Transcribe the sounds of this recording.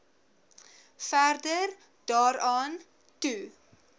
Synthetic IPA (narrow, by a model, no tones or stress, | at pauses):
færdər | d̥ɑːɾɑːn | tu